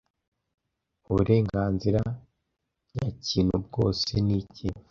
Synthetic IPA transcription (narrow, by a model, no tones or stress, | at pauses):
uβuɾe̞ːŋɡaːnziɾa | jaciːnhub̚ɡo̞ːsenici